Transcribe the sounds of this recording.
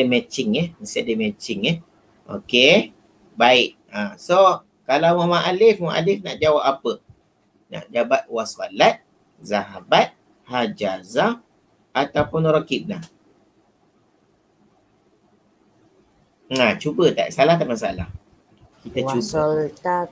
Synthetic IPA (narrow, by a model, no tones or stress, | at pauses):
mɛt͡ʃɪŋɛhməsadəmɛt͡ʃɪŋɛ | ʔo̰ke | baɪʔ | aso | kalawmamaʔalɪfmamã̰ʔa̰lɪfna̰ʔd͡ʒawapapə | na̰ʔd͡ʒabat̪̚wasua̰lat̪̚ | zaɦabat̪̚ | had͡ʒaza | at̪awpʊnoɾokit̚na | at͡ʃubət̪a̰ʔsalaht̪aʔmansalah | kit̪auba